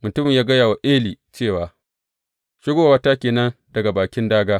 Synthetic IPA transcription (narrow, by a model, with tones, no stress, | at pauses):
mʊ˨tʊ˦mɪ˨ɲjaː˦ɡɐ˦jaː˨wa˨ʔeː˦liː˨t͡ʃeː˦˨waː˨ | ʃɪ˦ɡoː˦a˨wa˦ta˦kʲeː˨nɐ˦ndɐ˨ɡa˨baː˨kʲɪ˦ndaː˦ɡaː˦